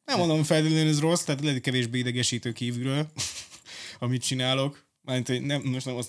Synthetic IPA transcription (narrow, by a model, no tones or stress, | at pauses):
nɛmːond̪omfɛld̪eːløːnɛzro̞st̪ɛːt̪lɛikɛveːʒbeːid̪ɛɡɛʃiːt̪øːkiːvyɾøːl | ɒmit̪̚t͡ʃinaːlo̞k | maːrmint̪hoɟnɛmmoʃt̪nɛmɒs